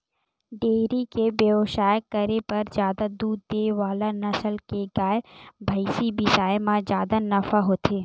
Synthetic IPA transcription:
ɖeːɾikebjeoʃaːjəkːəɾepɐɾzjaːd̪ad̪uːd̪d̪eːʋaːlanəsəlkeɡaːjbʱɐɪsibɪsaːemãd͡ʒjaːd̪anɐfʰaɦoːt̪ʰeː

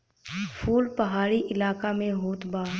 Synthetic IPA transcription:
fʰuːlpɐɦaːɾiʔɪlaːkamẽɦoːt̪baː

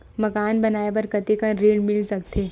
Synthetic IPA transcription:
mɐkaːnbɐnaːep̬ɐɾkɐt̪ikɐ̃ɾeːɽmɪlsɐkt̪ʰeː

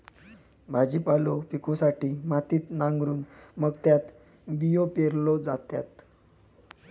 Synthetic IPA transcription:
bʱad͡ʑiːpalɔpikʰɔsaʈiːmat̪iːt̪naŋɡɾuːnməɡ̚t̪jat̪ | bijopeɾlɔd͡zat̪ja̰t̪

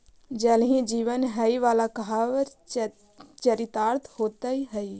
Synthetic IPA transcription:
d͡ʒɛːlɦĩd͡ʒiːʋənɦəiʋaːlakəɦaʋəɾ | t͡ʃəɾɪt̪aːɾt̪ʰhoːt̪əiɦəi

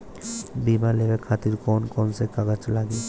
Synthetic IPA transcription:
bimalebekʰat̪iɾkɔnkɔnsekakat͡ʃlaɡi

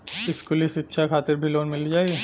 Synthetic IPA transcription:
ɪskʊlisɪtːʃʰakʰaːt̪ɪɾbʱiloːnmɪld͡ʒaːi

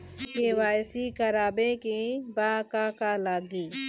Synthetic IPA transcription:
keʋaːjsikəɾaːbẽkebakakalaːɡiː

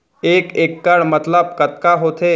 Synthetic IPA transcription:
eːkeːkːəɽmət̪ləb̚kət̪kaɦoːt̪ʰe

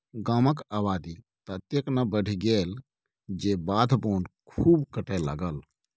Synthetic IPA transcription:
ɡaːməkaːbaːd̪i | t̪ət̪jeknabəɽ̤ʱiɡeːl | d͡ʒebaːd̪ʱboːnkʰuːbkəʈelə̰ɡəl

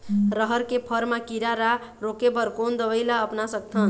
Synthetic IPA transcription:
ɾəɦəɾkepʰəɾmakiɾaɾa | ɾokebəɾkond̪əbəjlaəpnasək̚t̪ʰən

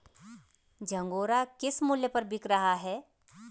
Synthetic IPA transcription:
d͡ʒɐ̃ŋɡoːɾakɪsmʊljəpɐɾbɪkɾɐɦaɦɛː

